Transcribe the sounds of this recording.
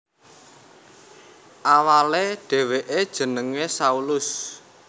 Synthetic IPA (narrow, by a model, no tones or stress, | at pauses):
ʔawaleɖ̥e̤weʔed̥ʒ̥ə̤nəŋesaulʊs